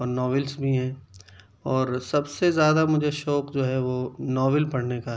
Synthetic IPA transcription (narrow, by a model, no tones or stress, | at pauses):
ɔːɾnɔːʋɪlsbʱiɦɛ̃ː | ɔːɾsɐbsezjaːd̪amʊd͡ʒʱeʃɔːkd͡ʒoːɦɛʋoːnɔːʋɪlpɐɽ̤neka